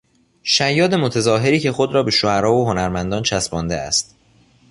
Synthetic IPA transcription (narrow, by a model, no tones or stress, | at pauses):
ʃæjːɒːd̪e̞mot̪ʰezɒːɦe̞ɾiːcʰe̞xo̞d̪ɾɒːbe̞ʃohæɾɒːvoɦonæɾmænd̪ɒːnt͡ʃʰæsbɒːnd̪eæ̰st̪̚